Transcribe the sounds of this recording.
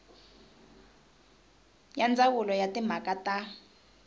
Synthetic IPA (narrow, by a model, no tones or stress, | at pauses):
jand͡zawulɔjatim̤akata